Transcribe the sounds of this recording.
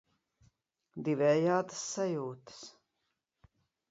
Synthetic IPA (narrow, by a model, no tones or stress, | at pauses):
d̪ivɛːjaːt̪əsːajuːt̪ɨ̥s